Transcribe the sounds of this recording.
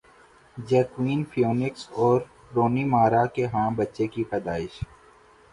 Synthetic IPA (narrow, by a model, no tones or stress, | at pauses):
d͡ʒɛːkwiːnfʰijoːnɪksɔːɾ | ɾoːnimaːɾakeɦãːbətːʃekipɐd̪aːɪʃ